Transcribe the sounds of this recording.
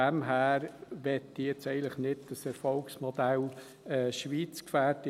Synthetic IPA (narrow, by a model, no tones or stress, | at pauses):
æmɦæːɾʋɛtːijɛt͡sɛɪɡən̩tləχnɪdd̥əsɛɾfɔlksmɔd̥̪æl | ɛːʃʋiːt͡skfæːɾtɪ